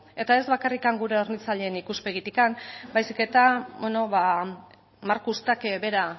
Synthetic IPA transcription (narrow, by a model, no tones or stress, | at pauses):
e̞t̪ae̞zβakarikaŋɡuɾe̞o̞ɾnit͡saʎe̞ːnikuspe̞ɣ̞it̪ikambajsike̞t̪abweno̞βa | maɾkust̪akβe̞ɾa